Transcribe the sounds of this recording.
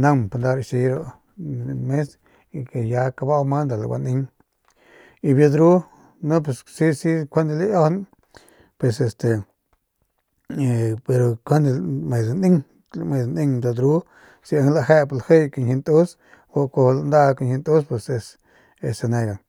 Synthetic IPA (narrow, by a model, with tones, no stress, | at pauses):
na˦˧mpa˧nd̪a˧ɾʃi˧ɾo˦ | me˦s | i˧ke˨ja˧ka˧ba˦wma˦nd̪a˨la˨wa̰˧ni˧ŋ | i˧bja˧d̪ɾu˦ | nu˦pe˧ssi˦si˦kʷe˦nd̪li˦jo˦hn˦ | pwe˧se˧st̪e˨ | pe˧ɾo˧kʰʷe˦nd̪me˨zni˦ŋ | me˧˨zni˦˧ŋd̪a˧d̪ɾu˦ | si˧a˧ŋla˧he˦pa˧lhe˦jka˧nhi˧nt̪u˦s | wo˧ko˧hla˧nd̪a˦ka˧nhi˧nt̪u˦spwe˧se˧s | e˧se˧ne˧ɡa˨ŋ